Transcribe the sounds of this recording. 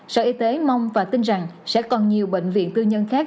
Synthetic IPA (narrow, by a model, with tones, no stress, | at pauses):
sə̰ː˧˨ʔi˧t̪e˨˦ma˧wŋ͡mvaː˨˩t̪ï˧nza˨˩ŋsɛ̰˧˥kɔ˨˩nɲi˨˩əwɓḛ˧˨ŋ̟vḭ˧˨ənt̪ɨ˧ɲə˧nxaː˦˥k̚